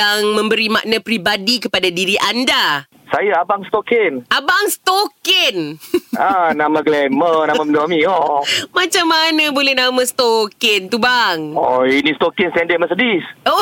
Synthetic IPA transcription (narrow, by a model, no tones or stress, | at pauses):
aŋmə̃mbəɾimaʔnapɾibadikəpadadiɾiʔanda | sajaabaŋst̪okɛnabaŋst̪okɛnanamãɡlɛmənamãməndoamĩɔmãt͡ʃamːanãbolɛhnamãst̪okɛnt̪ubaŋɔinĩst̪okənst̪ɛndɛməsədiso